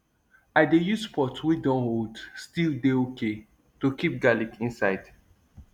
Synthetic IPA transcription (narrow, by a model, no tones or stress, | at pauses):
aɪdejuspʰɔtwidɔ̃nholdstildeoke | tokip̚ɡalikĩnsaɪd̥